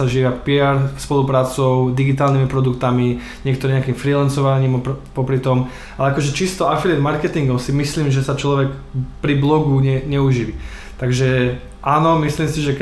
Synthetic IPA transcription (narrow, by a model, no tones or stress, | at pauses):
aʒiːʋapiaɾspɔlupɾaːt͡sɔʊd̪iɡit̪aːlnimipɾɔd̪ukt̪ami | ɲɪɛkt̪ɔɾiɲɛakimfɾilansɔʋaɲiːmpɔpɾit̪ɔm | alɛakɔʒɛt͡ʃist̪ɔafiliɛd̪maɾkɛt̪iŋɡɔʊsimisliːmʒɛsat͡ʃlɔʋɛkpɾiblɔɡuɲɛɲɛuʒiːʋi | t̪aɡʒɛ | ʔaːnɔmisliːmsiʒɛk